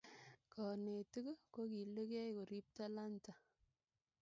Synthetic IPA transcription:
kɔ˨ne˨tu˦ku˦ko˦ki˨le˦kɛ˦jko˨ɾi˦p̚ta˦la˦nta˨

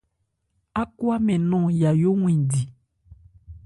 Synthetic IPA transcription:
a˦kwa˦mɛ̃˨nɔ̃˦˨ja˨jo˦ŋw̃ĩ˨di˨

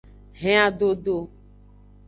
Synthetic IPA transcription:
ɦɛ̃˦a˨ɖo˦ɖo˦

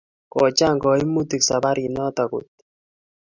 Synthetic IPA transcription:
kɔ˨t͡ʃa˦˨ŋɡɔ˨i˦mu˦ti˨ksa˨ba˦ɾi˨nɔ˦t̪ɔ˨kʊ̰˨t̪̚

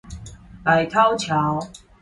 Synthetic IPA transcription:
a˨jt̪ʰa˥˦˥wt͡ɕʰja˨˦w

